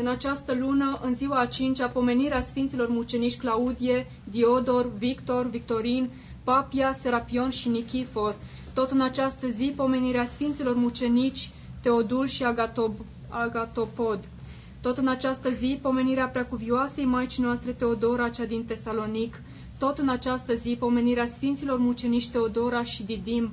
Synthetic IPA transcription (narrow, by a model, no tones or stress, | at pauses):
ɨnat͡ʃast̪əlunəʔɨnziwaːt͡ʃint͡ʃʲapo̞me̞niɾeasfint̪silo̞rmut͡ʃe̞nit͡ʃʲklaud̪ije̞ | d̪io̞d̪o̞rvikt̪o̞rvikt̪o̞ɾin | papiase̞ɾapio̞nʃinikʲifo̞r | t̪o̞t̪ɨnat͡ʃast̪əzipo̞me̞niɾeasfint̪silo̞rmut͡ʃe̞nit͡ʃʲ | t̪e̞od̪ulʃia | aɡat̪o̞po̞d̪ | t̪o̞t̪ɨnat͡ʃast̪əzipo̞me̞niɾeapɾakuvioasejmat͡ʃinoast̪ɾe̞t̪e̞o̞d̪o̞ɾat͡ʃad̪int̪e̞salo̞nik | t̪o̞t̪ɨnat͡ʃast̪əzipo̞me̞niɾeasfint̪silo̞rmut͡ʃe̞nit͡ʃʲt̪e̞o̞d̪o̞ɾaʃid̪id̪im